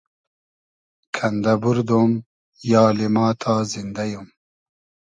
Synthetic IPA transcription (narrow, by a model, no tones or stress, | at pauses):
kʰɐnd̪ɐbuɾd̪oːm | jɑːlemɑːt̪ʰaːzind̪ɐjum